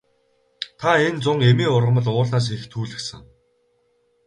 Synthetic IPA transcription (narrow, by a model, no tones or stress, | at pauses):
t̪ʰaent͡sʊŋemiːʊrʁə̆mə̆ɮʊːɮnaːs̬xext̪ʰuːɮɘ̆ksə̆ŋ